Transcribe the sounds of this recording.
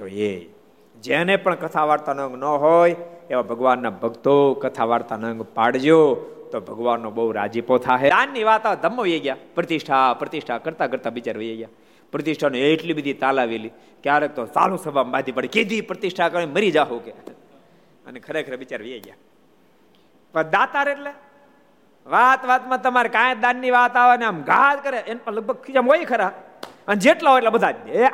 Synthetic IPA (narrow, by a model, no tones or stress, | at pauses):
t̪oe | d͡ʒenepəɳkət̪ʰaʋaːɾt̪anə̃ŋɡnəɦojeʋabʱəɡʋanːabʱəɡt̪okət̪ʰaʋaɾt̪anəŋɡpaɽd͡ʒot̪obʱəɡʋanːõbəuɾa̰d͡ʒipot̪ʰaɦeanːiʋaːt̪ad̪ʱəmːoʋjeɡjaːpɾət̪ɪʃʈʰapɾət̪ɪʃʈʰakəɾt̪akəɾt̪aʋɪt͡ʃaɾʋəjeɡja | pɾət̪ɪʃʈʰanũeeʈlibəd̪ʱit̪alaʋeli | keaɾek̚t̪osa̰lũsəbʱambad̪ʱipəɽiked̪ʱipɾət̪ɪʃʈʰakəɾ̃eməɾid͡ʒaɦoke | ə̰nekʰəɾekʰəɾeʋɪt͡ʃaɾʋəjeɡja̰ | pəɳd̪at̪aɾeʈle | ʋaːt̪ʋat̪mãt̪əmaɾekaẽd̪anːiʋaːt̪aʋaneamɡaːt̪kəɾeenləɡ̚bʱəɡ̚kʰit͡ʃamɦoikʰəɾa | ənd͡ʒeːʈlaɦoeʈlebəd̪ʱad͡ʒɡjae